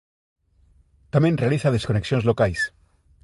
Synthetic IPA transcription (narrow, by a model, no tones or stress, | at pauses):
t̪amjenrealiθað̞e̞skoneksjonzlokajs